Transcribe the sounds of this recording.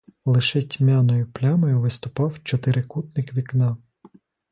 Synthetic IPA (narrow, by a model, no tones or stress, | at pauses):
lˠɪʃɛtʲmʲɑnɔjʊplʲɑmɔjʊʋɪst̪ʊpɑwt͡ʃɔt̪ɪɾɪkut̪̚nɪkʋʲiknɑ